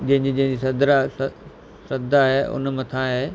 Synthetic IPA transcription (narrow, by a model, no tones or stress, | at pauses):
d͡ʑɐ̃ɦɪ̃ɲd͡ʑid͡ʑɐ̃ɦɪ̃ɲd͡ʑisɐd̪ɾa | sɐd̪ʱaɦeʔʊ̰nmɐ̃t̪ʰãɦeː